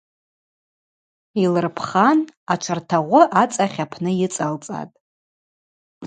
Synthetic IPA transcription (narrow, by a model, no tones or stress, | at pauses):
ilɨrpʰχanaʈ͡ʂʷʰartʰaʁʷʊʔat͡sʼaχʲapʰnɨjɪt͡sʼalt͡sʼa̰tʼ